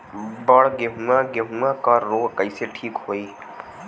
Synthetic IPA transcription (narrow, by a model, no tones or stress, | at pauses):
bəɽɡeɦũaɡeɦũakəɾːoːɡkəɪseʈʰiːkɦoi